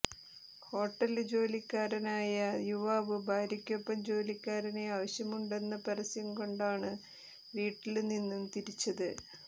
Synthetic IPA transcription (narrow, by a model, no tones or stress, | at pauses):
ho̞ːʈːɐld͡ʑo̞ːlikʲːaːɾɐnaːjɐjuʋaːʋɨbʱaːɾjɐkʲːo̞pːɐmd͡ʑo̞ːlikʲːaːɾɐneaːʋɐɕjɐmuɳɖe̞nːɐpɐɾɐsijɐmko̞ɳɖaːɳɨ | ʋiːʈːilninːumt̪iɾit͡ɕːɐðɨ